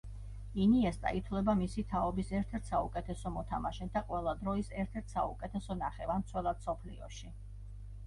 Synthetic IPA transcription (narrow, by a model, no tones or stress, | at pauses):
iniɛst̪ʼa̰it̪ʰwlɛbamisit̪ʰaɔbisɛɾt̪ʰɛɾt̪ʰsaukʼɛt̪ʰɛsɔmɔt̪ʰamaʃɛd̪aqʼwɛlˠad̪ɾɔisɛɾt̪ʰɛɾt̪ʰsaukʼɛt̪ʰɛsɔnaχɛvant̪sʰwɛlˠad̪sɔpʰlḭɔ̰ʃi